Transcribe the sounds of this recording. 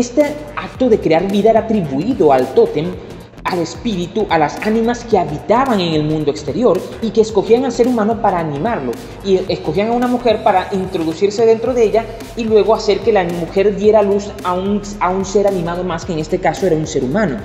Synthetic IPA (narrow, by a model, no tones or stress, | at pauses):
est̪eak̚t̪o̞ðe̞kɾe̞aɾβiðaeɾaːt̪ɾiβuiðo̞alt̪o̞t̪em | ale̞spiɾit̪uʔalasanĩmaske̞aβit̪aβaŋe̞ŋe̞lmũnd̪oekst̪eɾjo̞ɾike̞ːsko̞xiaŋalse̞ɾumãnopaɾaːnĩmaɾlo̞ | ieskoxiaŋaunamuxe̞ɾpaɾaʔint̪ɾo̞ðusiɾse̞ðe̞nt̪ɾo̞ðeeʎa | ilwe̞ɣo̞ase̞ɾke̞lamuxe̞ɾd̪je̞ɾalus | auŋ | aunse̞ɾanĩmað̞o̞maske̞ːŋe̞st̪e̞kaso̞eɾaunse̞ɾumãno̞